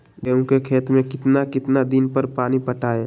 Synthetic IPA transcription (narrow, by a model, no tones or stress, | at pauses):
beːũkekʰeːt̪mẽkɪt̪nakɪt̪nad̪ɪnpəɾpaːnipəʈaːeː